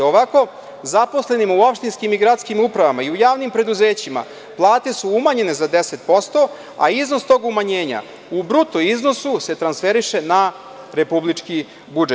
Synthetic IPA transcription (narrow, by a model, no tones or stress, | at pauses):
oʋako̞ | zapo̞sle̞nimuopʃt̪inskimiɡɾat̪skimupɾaʋamaiujaːʋnimpɾe̞d̪uze̞ːt͡ɕima̰ | plˠaːt̪e̞suumaɲe̞ne̞zad̪ese̞t̪̚po̞st̪o̞ | a̰izno̞st̪o̞ːɡumaɲe̞ːɲa̰ | ubɾut̪oizno̞suse̞t̪ɾansfeɾiʃe̞na | ɾe̞publit͡ʂki | bud͡ʒet̪